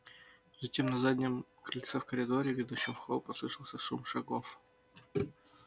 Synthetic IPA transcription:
zɐtʲemnɐzadʲnʲɪmkɾɪlʲt̪sɛfkəɾʲɪd̪oɾʲɪvʲɪd̪uɕːɪmfxod̪pɐslˠɨʂəlˠsʲəsumʂɐɡof

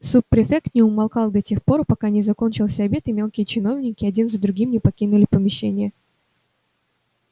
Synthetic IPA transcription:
supːɾʲɪfʲekt̪nʲɪʊmɐlˠkɑlˠd̪ɐtʲe̞xpo̞ɾəpɐkanʲɪzɐko̞nʲt͡ɕɪlˠsʲəɐbʲe̞t̪ɨmʲe̞lˠkʲɪjət͡ɕɪno̞vnʲɪkʲɪɐdʲinzəd̪ɾʊɡʲimnʲɪpɐkʲinʊlʲɪpəmʲɪɕːḛnʲɪjə

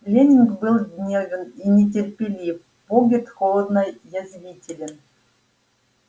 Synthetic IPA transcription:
lʲenʲinɡbɨlˠdʲnʲevʲəninʲet̬ʲerʲpʲelʲif | boɡʲɪt̪xolˠəd̪nɑjjazʲvʲitʲɪlʲɘ̆n

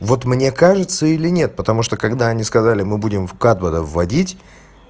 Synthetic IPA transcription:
vo̞t̪mnʲe̞kaʐɨt̪səilʲɪnʲe̞t̪̚pət̪ɐmuʂt̪okɐɡd̪aɐnʲiskɐzalʲɪmɨbudʲɪmfkat̪̚bəd̪əvːɐdʲitʲ

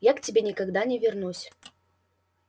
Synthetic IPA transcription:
jaktʲɪbʲenʲɪkaɡd̪anʲɛvʲɪrnusʲ

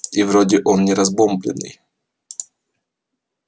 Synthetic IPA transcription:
ivɾodʲɪʔonnʲɪɾɐzbomblʲɪ̰nːɨ̰j

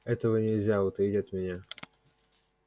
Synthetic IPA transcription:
ɛt̪əvənʲɪlʲzʲaʊt̪əitʲɐt̪mʲɪnʲa

